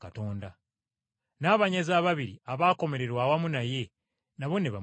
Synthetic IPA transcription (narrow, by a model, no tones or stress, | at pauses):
kato̞ːnda | naːβaɲezaːβaβiɾiaβaːko̞me̞ɾe̞ɾwaːwamunaje̞ | naβo̞ne̞βa